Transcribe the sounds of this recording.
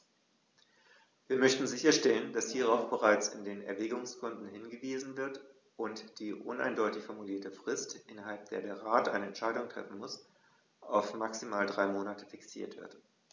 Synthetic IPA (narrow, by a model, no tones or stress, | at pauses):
viːɐmœçtn̩zɪçɐʃtɛlənd̥ashiːʁ̞aʊfb̥əʁaɪt͡sɪ̰ndeːnɛ̰ɐvɛːɡʊŋskʰʊndn̩hɪnɡəviːzn̩vɪɐt | ʔʊntd̥iːʔʊ̰nʔa̰ɪndɔʏtɪçfɔɐmuliːɐtəfʁ̥ɪstʔɪnɐɦalp̚d̥eːɐdeːɐʁaːtʔa̰ɪnəɛntʃaɪɾʊŋtʁ̥ɛ̰fn̩mʊs | ʔaʊfmaksimaːldʁaɪmoːnatə̥fɪksḭːɐtv̥ɪ̰ɐt